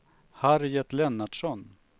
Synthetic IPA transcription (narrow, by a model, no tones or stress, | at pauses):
haɾjɛt̪lɛnːaɖʂɔn